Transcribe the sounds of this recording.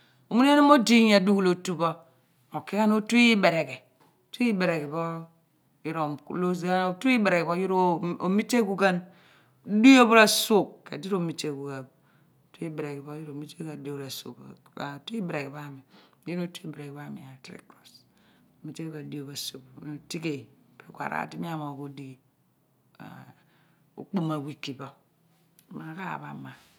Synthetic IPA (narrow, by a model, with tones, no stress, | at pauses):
o˨mu˦n˦e˦no˦mo˦di˦ɲ˦a˨du˦ɡu˦lo˨tu˦bo˦ | o˨ki˦ka˦n˦o˦tu˦i˦be˨ɾe˨ɡe˨ | tu˦i˦be˨ɾe˨ɡe˨bo˦ | ji˦ɾo˨kṵ˦lo˦sa˦o˨tu˦i˦be˨ɾe˨ke˨bo˦ji˦ɾo˦o˨mi˦te˦ɡu˦ɡa˦n | du˦jo˦bo˦ɾa˦so˦˨kːḛ˨di˦ɾo˦˨mi˨te˦ɡu˨ɡa˨b | tu˦i˦bɾe˨ki˨bo˦ju˦ɾo˨mi˦te˦ka˨˦do˦bɾa˨sṵ˨k | a˨tu˦i˦bɾe˨ki˨ba˦˨mi˨˦ | e˦no˦tu˦i˦bɾe˨ki˨ba˦˨mi˨a˨tɾḭ˦kɾo˨so˨mi˦te˦ku˦ka˨n˨di˦o˨ba˨su˨kno˨ti˦ke˨pe˨kʷa̰˨ɾa̰˨ti˦mi˦a˦ma˨ku˦di˦ | a̰˨ | o̰˨k͡pu˦ma˨wi˦kːi˨ba˨ | ma˨˦ka˦a̰˨ba̰˨ma˨